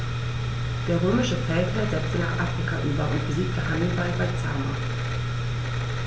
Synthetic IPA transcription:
d̥eːɐʁøːmɪʃəfɛltaz̥ɛt͡stəna̰ːχʔafʁ̥ikʰaʔyːbɐʔʊ̰ntb̥əziːt̚d̥eɐhandəfaɪfat͡sa̰ma

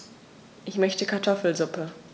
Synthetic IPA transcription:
ʔɪçmœçtəkʰaɐtʰɔfl̩zʊpə

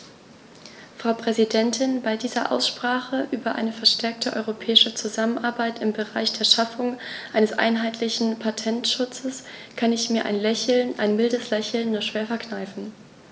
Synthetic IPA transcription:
fʁ̥aʊpʁ̥ɛzidɛntʰɪnbaɪdiːzɐʔa̰ʊsʃpʁ̥aːχəʔyːbɐʔa̰ɪnəfɛɐʃtʰɛɐk̚tʰəʔɔ̰ʏʁopʰɛːɪʃət͡suzamənʔaɐbaɪtɪmbəʁaɪçd̥eːɐʃafʊŋʔaɪnəsʔa̰ɪnɦaɪtʰlɪçn̩pʰatʰɛntʃʊt͡səs | kʰanɪçmiːɐʔa̰ɪnlɛçl̩nʔa̰ɪnmɪldəslɛçl̩nːuːɐʃv̥eːɐfɛɐknaɪfn̩

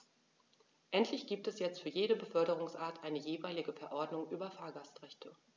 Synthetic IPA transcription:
ʔɛntʰlɪçɡ̥iːp̚tɛsjɛt͡stfyːɐjeːɾəbəfœɐɾəʁ̞ʊŋsʔaːɐtʰʔaɪnəjeːvaɪlɪɡəfɛɐʔɔɐdnʊŋʔyːbɐfaːɐɡastʁɛçtʰə

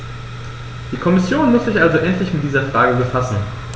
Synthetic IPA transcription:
d̥iːkʰɔmɪsjoːnmʊsz̥ɪçʔalzoʔɛntlɪçmɪt̚d̥iːzɐfʁ̥aːɡəbəfasn̩

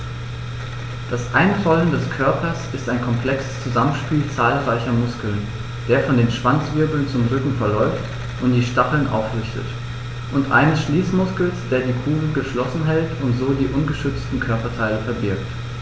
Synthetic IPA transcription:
d̥asʔa̰ɪnfɔləndɛskʰœɐpʰɐsɪstaɪnkʰɔmpʰl̥ɛksə̥st͡suzamənʃpiːlt͡saːlʁaɪçɐmʊskl̩n | d̥eːɐfɔndeːnʃv̥ant͡sv̥ɪɐbl̩nt͡sʊmʁʏkŋ̩fɛɐlɔʏft | ʔʊntd̥iːʃtaχl̩nʔa̰ʊfʁʏstʰə̰t | ʔʊntʔa̰ɪnəsʃliːsmʊskl̩sd̥eːɐdiːkʰuːɡl̩ɡəʃlɔsn̩ɦɛltʊntz̥oːdiːʔʊnɡəʃʏt͡stn̩kʰœɐpɐtʰaɪləfɛɐbɪɐkt

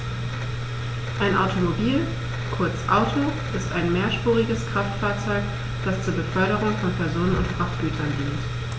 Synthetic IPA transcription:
ʔaɪnʔaʊtʰomobiːl | kʰʊɐt͡sʔaʊtʰo | ʔɪstʔaɪnmeːɐʃpuːʁɪɡəskʁ̥aftfaːɐt͡sɔʏk | d̥ast͡suːɐbəfœɐɾəʁ̞ʊŋfɔnpʰɛɐzoːnənʊ̰nt̚fʁaftɡ̥yːtʰɐndiːnt

